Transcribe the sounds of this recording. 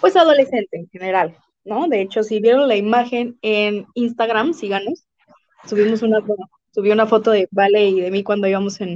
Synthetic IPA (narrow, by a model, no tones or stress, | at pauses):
pwe̞sað̞o̞le̞se̞nt̪e̞ːŋxe̞ne̞ɾal | no̞ðe̞et͡ʃo̞siβje̞ɾonlaimaxe̞neninst̪aɣɾamsiɣanes | t̪uβimo̞s̬unafo | suβjounafo̞t̪o̞ðe̞baleiðe̞mikwand̪oiβamose̞n